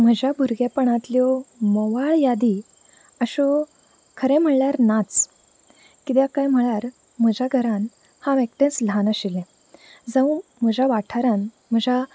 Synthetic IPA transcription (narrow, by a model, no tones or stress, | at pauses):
m̤əd͡ʑabʱuɾɡapəɳat̪ljɔmoʋaɭjad̪i | əɕɔ | kʰəɾɛ̃m̤əɳɭaɾnat͡s | kit̪jakajm̤əɭaɾ | m̤əd͡ʑaɡʱəɾan | haʋɛk̚ʈẽslanəɕilɛ̃ | d͡zəw̃m̤əd͡ʑaʋaʈʰaɾan | m̤əd͡ʑa